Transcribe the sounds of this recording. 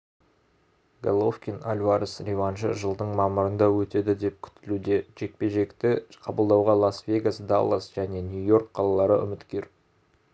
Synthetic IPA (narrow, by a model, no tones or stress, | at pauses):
ɡalˠofkʲinalʲvaɾəsɾʲevanʃəʒəlˠd̪əɴmɑməɾənd̪ɑwɵt̪e̞d̪ɪd̪e̞p̚kʲʰʏ̥t̪ɪlud̪e̞ʒ̥e̞k̚pe̞ʒe̞kt̪ɪqʰɑbəlˠd̪ɑwʁɑlˠasvʲe̞ɡasd̪a̰lˠasʒ̥æne̞nʲjujo̞rk̚qʰɑlˠɑlˠɑɾə̰ʔʏ̰mɪt̪kʲe̞ɾ